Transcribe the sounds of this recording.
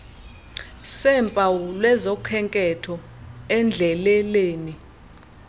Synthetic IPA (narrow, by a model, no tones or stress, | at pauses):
sɛmpʼawulwɛzɔkʰɛŋkʼɛtʰɔ | ɛnd͡ɮʱɛlɛleːni